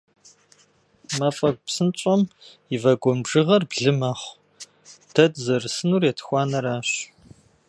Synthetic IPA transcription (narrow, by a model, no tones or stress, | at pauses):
mɐfɐɡ̚ʷʼpsɨnt͡ʃʷʼɔm | ivɐɡʷɔmbʒɨʁɐrbɮɨmɐχʷ | tʰɐdzɐrɨsɨnuːrjɛtʰɨ̥xʷɑːnɐɾaːɕ